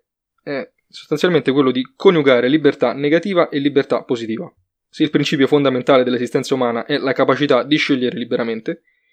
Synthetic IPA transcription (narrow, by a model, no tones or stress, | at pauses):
ɛ | so̥st̪ant̪sʲjalment̪ek̬welːod̪ikʰonjuɡaːɾelibert̪anːeɡat̪iːvaʔelːibert̪apːozit̪iːva | seilpɾint͡ʃiːp̬jofond̪ament̪aːled̪elːesist̪ɛnsaumaːnaʔɛlakapat͡ʃit̪ad̪iʃːeʎːeɾelibeɾʔament̪e